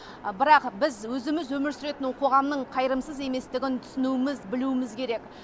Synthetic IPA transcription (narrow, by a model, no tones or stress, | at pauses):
bɪɾɑqbɪzwɵzɪmɪzwɵmɪɾsʏɾe̞t̪ɪnqʰo̞ʁɑmnəɴqʰɑjɾəmsəze̞me̞st̪ɪɡʲɪnt̪ʰʏ̥sɪnuɪmɪzbɪluɪmɪzkʲʰe̞ɾe̞k